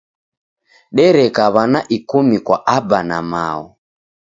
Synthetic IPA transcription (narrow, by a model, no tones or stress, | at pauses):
ɗɛɾɛkaβanaʔikumikwaʔabana̰ma̰ɔ